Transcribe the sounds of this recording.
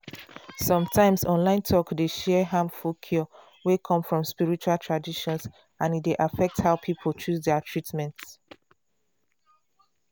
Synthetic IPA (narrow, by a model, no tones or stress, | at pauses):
sɔ̃mtʰãɪ̃msɔ̃nlãɪ̃ntʰɔkdeʃɛɦãmfokʰjɔ | wekʰɔ̃mfɹɔ̃mspiɹit͡ʃualtʰɹadiʃɔ̃ns | ãnit̚deʔafɛk̚thaʊpʰipʰolt͡ʃusdɛatʰɹitmɛ̃nts